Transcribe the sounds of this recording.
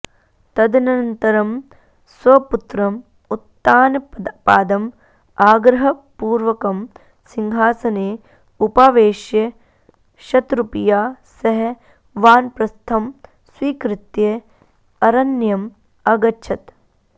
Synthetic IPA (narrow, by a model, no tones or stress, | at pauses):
t̪ɐd̪nɐnt̪ɐɾɐm | sʋɐput̪ɾɐm | ut̪ːaːnɐpaːd̪ɐm | aːɡɾɐɦɐpuːɾʋɐkɐm | siŋɦaːsɐneː | upaːʋeːʃjɐ | ʃɐt̪ɾupijaːsɐɦe | ʋaːnpɾɐst̪ʰɐm | sʋiːkɾɪt̪je | ɐɾɐnjɐm | ɐɡɐtːʃʰɐt̪